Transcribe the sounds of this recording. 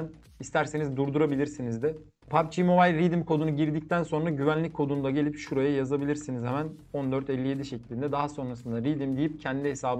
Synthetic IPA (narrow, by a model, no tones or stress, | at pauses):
n | ist̪ʰæɾse̞nizd̪uɾd̪uɾabilʲiɾsinizd̪ɪ | pʰapt͡ʃʰimo̞bajlʲɾid̪imkʰo̞d̪unuɟiɾd̪ic̚t̪ʰænso̞nɾaɟyvænlʲic̚ʲkʰo̞d̪unud̪aɟe̞lʲipʃuɾajajazabilʲiɾsinizhɛmæn | o̞nd̪øɾt̪ɛlʲːije̞d̪iʃeclʲind̪ɛd̪aɦaso̞nɾasɯnd̪aɾid̪imd̪ijip̚cʰɛnd̪iɦe̞saːb